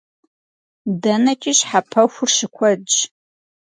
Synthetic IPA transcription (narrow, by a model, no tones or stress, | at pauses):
dɐnɐt͡ʃʼiɕħapʰɐxʷʊrʃɪkʷʰɐd͡ʒ